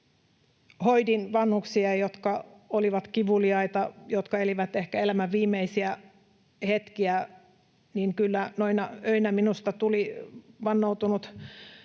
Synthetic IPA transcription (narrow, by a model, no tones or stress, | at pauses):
hoidinʋɑnhuksiɑjot̪kɑoliʋɑt̪kiʋuliɑit̪ɑjot̪kɑeliʋæt̪ehkæelæmæʋʋiːmːˑeisiæ | het̪kiæ | niŋkylːænoinɑøinæminust̪ɑt̪uliʋɑnːout̪unut̪